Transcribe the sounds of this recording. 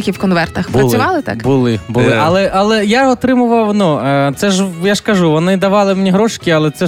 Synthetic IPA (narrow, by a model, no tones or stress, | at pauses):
kʲiwkɔnʋɛrt̪ɐxbɐsʲʊʋɑlˠɪt̪a̰kbʊlˠɪbʊlˠɪʔɐlˠɛʔɐlˠɛjaɔt̪ɾɪmʊʋɐwnut̪sɛʒjaʂkɐʒuʋɔnɪd̪ɐʋɑlˠɪmnʲiɦɾɔʃkʲɪɐlˠɛt̪sɛ